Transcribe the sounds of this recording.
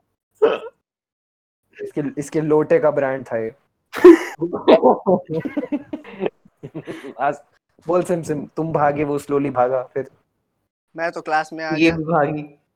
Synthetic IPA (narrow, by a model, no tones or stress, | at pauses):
ɪskeɪskeloːʈekabɾɛ̃ːɳɖ̚t̪ʰajeː | aːz | boːlsɪmsɪmt̪ʊmbʱaːɡeʋosloːlibʱaːɡaːfɪɾ | mɛ̃ːt̪oklaːsmẽaːjeːbibʱaːɡi